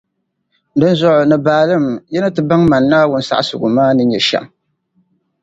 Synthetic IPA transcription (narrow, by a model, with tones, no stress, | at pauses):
dɨ˦nzʊ˨ʔʊ˨nɨ˨baː˨lɨ˦˨mjɛ˦na˦tɨ˨ba˦ŋma˨nːaː˦wʊ˦n˦sa̰˦ʔsʊ̰˨ɡʊ̰˨maː˦nɨ˦ɲɛ˨ʃɛ̰˨m